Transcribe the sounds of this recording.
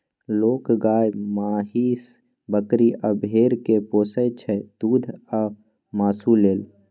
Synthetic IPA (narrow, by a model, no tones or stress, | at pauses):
loːkɡaːjmaːɦiːs | bəkɾiʔabʱeːɾkepoːsət͡ʃʰɛd̪uːd̪ʱa | maːsuleːl